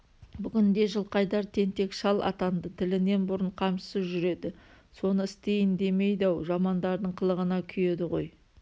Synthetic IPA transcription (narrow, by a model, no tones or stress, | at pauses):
bʏɡʲɪnd̪e̞ʒəlˠqɑjd̪ɑɾt̪ʰe̞nt̪e̞kʃɑlˠʔɑ̰t̪ɑnd̪ət̪ʰɪlɪne̞nbʊɾəɴqʰɑmʃə̥səzʒʏɾe̞d̪ɪ | so̞nəɪst̪e̞jɪnd̪e̞me̞jd̪ɑwʒɑmɑnd̪ɑɾd̪əɴqʰəlˠəʁənɑkʲʰʏje̞d̪ɪʁo̞̰j